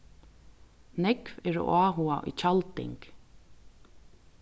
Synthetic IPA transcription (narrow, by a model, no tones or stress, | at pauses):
nɛkvɛːɹo̰ʔaːɦuaʔḭt͡ʃʰalt̪ɪ̰ŋk